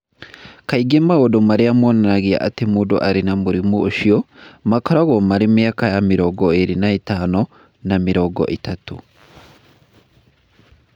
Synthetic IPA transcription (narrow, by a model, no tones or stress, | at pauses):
kaiɡemawɔdɔmaɾiamɔnanaɡija̰ʔa̰temudɔ̰ʔaɾinamuɾimuoʃijɔmakaɾaɡɔmaɾimijakajamiɾɔɡɔeɾinaitanɔ | namiɾɔɡɔ̰ʔitatṵ